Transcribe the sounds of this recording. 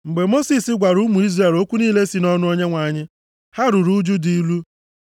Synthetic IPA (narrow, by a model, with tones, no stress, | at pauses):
ŋ͡m̩˨ɡ͡be˨mo˦si˨sɪ˦ɡʷa˨ɾu˦mu˨i˦zra˦˨e˨lo˦kʷu˦niː˦le˦si˨nɔ˦nʊ˦o˦ɲe˦ŋʷa˨ɲɪ˦ | ha˦ɾu˨ɾu˦d͡ʒu˦di˨i˦lu˦